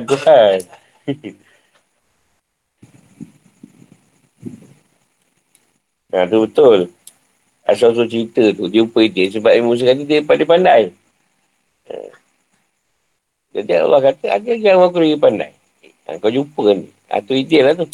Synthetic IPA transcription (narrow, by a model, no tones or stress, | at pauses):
d̪uan | at̪ubət̪ʊl | a̰s̬as̬ot͡ʃəɾit̪ət̪ud͡ʒupəidɪs̬əbap̚mus̬əkat̪̬ət̪ipandipandaj | ə̰ | d͡ʒad͡ʒaʔa̰lahkat̪əa̰d͡ʒaɡaŋwakuɾəɡipanda̰j | a̰ŋkawd͡ʒupənḭ | a̰t̪uidɪʔlaht̪u